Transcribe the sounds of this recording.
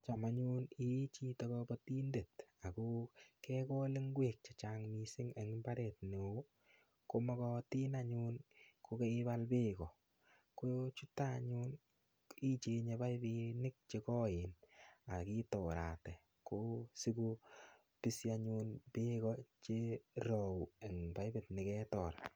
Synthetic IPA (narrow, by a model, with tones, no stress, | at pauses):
t͡ʃa˨ma˦ɲu˦ni˦t͡ʃi˦tɔ˨kɔbɔti˦nde˨ta˨ko˦kɛ˦kɔ˦lɪ˦ŋɡwe˨k̚t͡ʃa˨t͡ʃaŋmi˨sɪ˦ŋa˨ŋ˦mba˦ɾɛ˨tne˨˦ | ko˦mɔ˦kɔ˧ti˦naɲu˦nko˧ke˦ɪ˦ba˦lbe˦kɔ˨ | ko˦jot͡ʃu˦ta˦ɲu˦n | i˦t͡ʃe˨ɲe˧ba˦jbi˧nɪ˦k̚t͡ʃe˧kɔ˦ɪ˨na˨ki˦tɔ˨ɾa̰˨tɛ˨ | ko˦si˦ku˧ | pi˦sjaɲu˧npɪ˦kɔt͡ʃe˦ɾɔ˨wu˨e˨ŋba˦jbe˨tnɪ˨kɛ˦tɔ˨ɾa